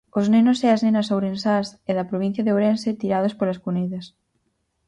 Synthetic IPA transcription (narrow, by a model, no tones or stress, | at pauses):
oznẽnoseaznenasowɾẽnsaseðɐpɾoβ̞ĩn̟θjaðeoɾenset̪iɾað̞ospolaskuneðɐs